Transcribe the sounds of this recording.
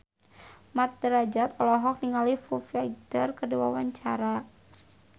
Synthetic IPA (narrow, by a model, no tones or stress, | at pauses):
mat̪̚dəɾad͡ʒat̪ɔlɔɦɔk̚niŋalifufaidərkədiwawaɲt͡ʃaɾa